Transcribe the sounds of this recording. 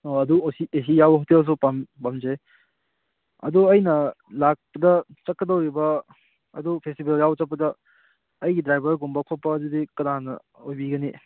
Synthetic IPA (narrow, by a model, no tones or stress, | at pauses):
oɐduosies̬ijawbɐɦuteas̬upampamd͡ʒe | ɐ̰duɐjnɐlak̚pɐdɐ | t͡ʃɐkːɐdɐwɾibɐ | ɐ̰dupʰestibeljawt͡ʃɐk̚pɐdɐː | jɡidɾajbɐɾɡumbɐkʰopːɐːdudikɐnanɐ̰ | ojbiɡɐni